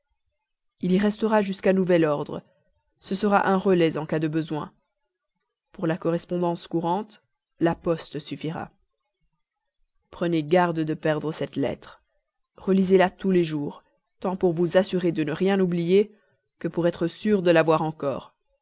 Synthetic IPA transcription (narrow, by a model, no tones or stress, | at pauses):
iliʁɛst̪əʁaʒyskanuvɛlɔʁd̪ʁə̰ | səsəʁa̰ʔɛ̃ʁəlɛzɑ̃kad̪əbəzwɛ̰̃ | puʁlakɔʁɛspɔ̃d̪ɑ̃skuʁɑ̃t̪ | lapɔst̪syfiʁa̰ | pχəneɡaʁd̪əd̪əpɛʁd̪ʁəsɛt̪lɛ̰t̪χə | ʁəlizelat̪uleʒuːʁ | t̪ɑ̃puʁvuzasyʁed̪ənəʁjɛ̃nublije | kəpuʁɛt̪χəsyʁd̪əlavwaʁɑ̃kɔ̰ːʁ